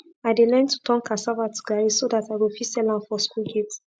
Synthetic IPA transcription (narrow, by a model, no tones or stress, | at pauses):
aɪdelɛ̃ntutʰɔ̃ŋkʰasavatu̥ɡaɹisodataɪwilfisɛlãmfɔskulɡet